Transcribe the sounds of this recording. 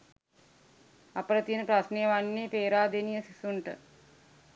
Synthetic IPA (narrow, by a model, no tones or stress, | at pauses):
apəɾət̪ijənəpɾasnejəʋanːepeːɾaːd̪enijəsisuɳʈə̰